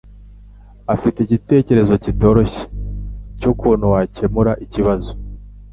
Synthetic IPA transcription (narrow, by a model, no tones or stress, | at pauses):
afiteiɟite̞ːce̞ɾe̞zo̞cito̞ːɾo̞çe̥cukuːn̤̥huwace̞muɾaʔiciβazo̞